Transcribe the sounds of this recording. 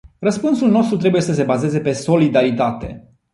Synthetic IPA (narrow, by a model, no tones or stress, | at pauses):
rəspunsulno̞st̪ɾut̪ɾe̞buje̞səs̬e̞baze̞ze̞pe̞so̞lid̪aɾit̪at̪e̞̰